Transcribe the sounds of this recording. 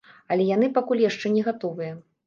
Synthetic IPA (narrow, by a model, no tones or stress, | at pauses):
ɐlʲɛjanɨpakulʲjaʂt͡ʂɛnʲɛɣat̪ɔvɨjɐ